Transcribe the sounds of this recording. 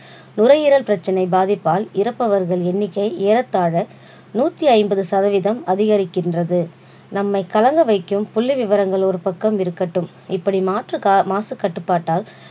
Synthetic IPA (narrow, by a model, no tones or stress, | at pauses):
nʊɾɐjɪɾɐlpɪɾɐt͡ʃːɐnɐɪbaːðɪpːaːlɪɾɐpːɐʋɐɾɣɐɭɛnːɪkːɐɪeːɾɐt̪ːaːɻɐ | nuːt̪ːiɐɪmbɐðɯsɐðɐʋɪðɐmɐðɪɣɐɾɪkːɪndrɐðɯ | nɐmːɐɪkɐlɐŋɡɐʋɐɪkːɯmpʊlːiʋɪʋɐɾɐŋɡɐɭɔɾɯpɐkːɐmɪɾɯkːɐʈːɯm | ɪpːɐɽimaːʈrɯmaːsɯkːɐʈːɯpːaːʈːaːl